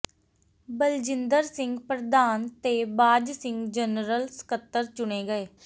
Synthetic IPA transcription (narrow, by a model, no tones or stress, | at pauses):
bəld͡ʒɪnd̪əɾsɪŋɡpɾəd̪aːnt̪eːbaːd͡ʒsɪ̃ŋɡd͡ʒənɾəlsə̥kət̪ːəɾt͡ʃʊɳ̃eːɡəeː